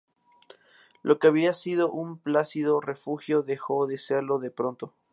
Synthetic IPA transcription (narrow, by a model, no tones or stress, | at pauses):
lʔo̞keaβiasið̞o̞ʔumplasiðo̞re̞fuxjo̞ðexo̞ðe̞se̞ɾlo̞ðe̞pɾo̞nt̪o̞